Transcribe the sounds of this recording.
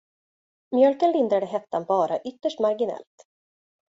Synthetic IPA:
mjœlkənlɪnd̪ɾad̪əɦɛt̪ːanbɑːɾaʔʏt̪ːəʂʈmaɾɡɪnɛ̰lt̪

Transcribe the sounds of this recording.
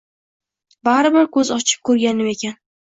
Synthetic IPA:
baɾɪbɪɾkɵzɒt͡ʃʰɪ̥p̚kʰɵɾɡʲanɪme̞kʲan

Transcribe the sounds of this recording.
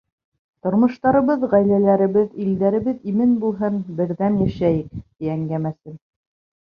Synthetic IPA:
t̪ŏɾmɤ̆ʃt̪ɑɾɤ̆βɤðʁæjlælæɾɘ̆βɘðild̪æɾɘ̆βɘðimɘnbulˠɦɤnbɘ̆ɾðænjæʃæjɘk̚t̪iæŋɡæmæsɘn

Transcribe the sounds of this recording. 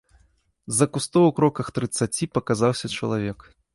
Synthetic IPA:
zɐkust̪ɔwwkɾɔkɐxt̪ɾɨt̪sat͡sʲipɐkazawsʲɐt͡ʂɐ̰lˠavʲɛk

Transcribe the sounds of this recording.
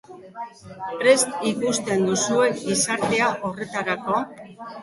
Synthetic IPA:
pɾe̞st̪ikust̪e̞nd̪usue̞kisaɾt̪e̞aʔo̞re̞t̪aɾako̞

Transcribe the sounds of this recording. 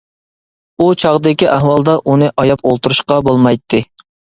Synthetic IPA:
ut͡ʃʰɑʁd̪ɪkʲiʔæhwɑlˠd̪ɑʔunɨʔɑjɑpolˠt̪uɾuʃqɑbolˠmɑjt̪ʰːɨ

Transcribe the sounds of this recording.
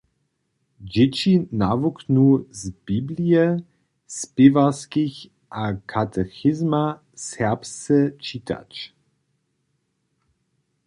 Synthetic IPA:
d͡ʑɛt͡ɕinavuknuzbiblijɛ | spɪvaskiç | ʔakʰat̪ʰɛxɪzma | sɛʁpst͡sɛt͡ʃiːtʰa̰t͡ʃ

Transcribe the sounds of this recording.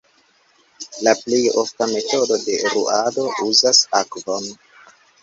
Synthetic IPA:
laplejoftame̞to̞do̞de̞ɾṵʔado̞ʔuzasakvo̞n

